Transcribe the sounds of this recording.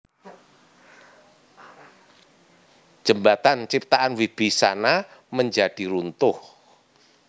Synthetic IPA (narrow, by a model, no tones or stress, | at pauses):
ʒ̥əmbat̪ant͡ʃip̚t̪aʔanwib̥isanaməɲd͡ʒad̥iɾunt̪ʊh